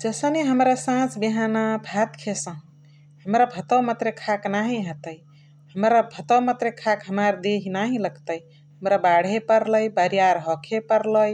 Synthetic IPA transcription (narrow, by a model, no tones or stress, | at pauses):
d͡ʒəsəneɦəmɾasãt͡ʃbiɦanabʱat̪kʰesə̃ɦ | həmɾabʱət̪əwmat̪ɾekʰaknaɦĩɦət̪əj | həmɾabʱət̪əwmat̪ɾekʰakɦəmaɾd̪eɦinaɦĩləɡt̪əj | ɦəmɾabaɽ̤ɦepəɾləjbəɾijaɾɦɔkʰepəɾləj